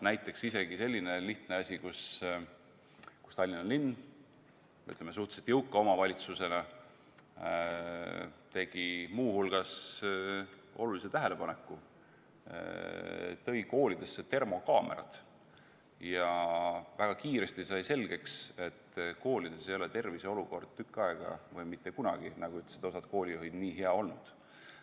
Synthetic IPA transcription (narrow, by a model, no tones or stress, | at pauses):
næjt̪ˑːe̞ksise̞ɡ̥ise̞lʲːine̞liht̪neɑsʲikus | ku̥st̪ɑlʲːinːɑlinː | y̰t̪lemes̬uht̪e̥set̪jɤwkːˑɑo̞mɑvɑlʲit̪suse̞nɑ | t̪e̞ɡ̥imuːhulɡ̥ɑs | o̞̰lulise̞t̪æɦele̞pɑne̞kˑːṵ | t̪ɤ̞jko̞ːlid̪̥e̞sːet̪e̞rmo̞kɑːmeɾɑ̰t̪ | jɑvæɡ̥ɑkiːɾe̞st̪isɑjse̞lɡ̥e̞kse̞t̪ːko̞ːlid̪̥e̞se̞jo̞let̪e̞rviseo̞luko̞rd̪̥̚t̪ykːˑɑe̞ɡ̥ɑ̰vɤjmit̪ːe̞kunɑ̰ɡ̥inɑɡ̥uyt̪ːset̪o̞sɑd̪̥ko̞ːlʲijuɦid̪̥niːɦe̞ɑo̞lnud̪̥